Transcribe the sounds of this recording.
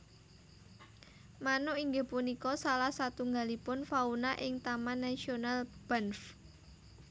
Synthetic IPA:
manoiŋɡepunikɔsalahsat̪uŋɡalipʊnfaunaʔɪŋt̪amanːasionalb̥anf

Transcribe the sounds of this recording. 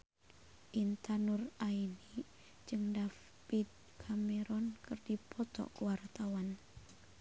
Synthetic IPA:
ʔint̪anuraini | d͡ʒɨŋdaf | pid̪̚ | kʰameɾɔnkɨrdipʰɔt̪ɔ̰kuwart̪awan

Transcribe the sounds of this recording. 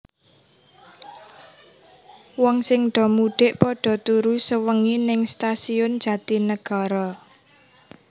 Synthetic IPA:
wɔŋsɪŋɖ̪̥ɔ̤muɖ̥eʔpɔɖ̥ɔ̤t̪uɾusəwəŋinɪŋst̪asiʊnd̥d͡ʒ̥ä̤t̪inəɡ̥a̤ɾɔ

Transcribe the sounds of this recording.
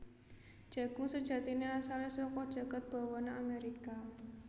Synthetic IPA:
d̥ʒ̥ä̤ɡ̥uŋsəd̥ʒ̥ä̤t̪ineasalesɔkɔd̥ʒ̥a̤ɡ̥a̤t̪̚b̥a̤wɔnaameɾika

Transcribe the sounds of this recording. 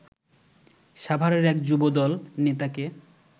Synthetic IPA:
ʃabʱaɾeɾɛkd͡ʑubod̪ɔlnet̪ake

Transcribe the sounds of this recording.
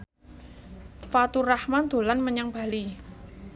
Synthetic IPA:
fat̪urahmand̪̥o̤lanməɲaŋb̥a̤li

